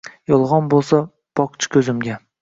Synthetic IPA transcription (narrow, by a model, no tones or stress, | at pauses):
jɒlˠʁɒnbolˠsa | b̥ɒqt͡ʃʰɪ̥kʲʰɵzɪmɡʲa